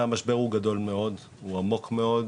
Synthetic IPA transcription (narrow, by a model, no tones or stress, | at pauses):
amaʃbe̞ʁuɡado̞lme̞o̞d̪ | uamo̞kme̞o̞d